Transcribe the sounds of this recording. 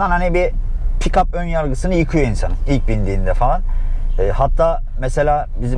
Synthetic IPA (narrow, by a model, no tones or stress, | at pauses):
anhanibi | pʰikapønjaɾɡɯsɯnɯjɯkʰɯjo̞insanɯmilʲc̚bind̪iːnd̪ɛfalˠanɛːhat̪ʰːaː | mese̞lʲaː | bizi